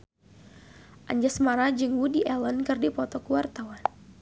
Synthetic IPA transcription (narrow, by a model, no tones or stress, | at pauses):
ʔaɲd͡ʒasmaɾad͡ʒɨŋwudiʔɛlənkɨrdipɔt̪ɔkuwart̪awan